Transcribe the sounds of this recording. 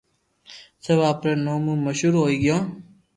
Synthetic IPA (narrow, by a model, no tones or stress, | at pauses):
seʋaːpɾeːnoːmũːməʃuːɾɦoːiːɡɪjõː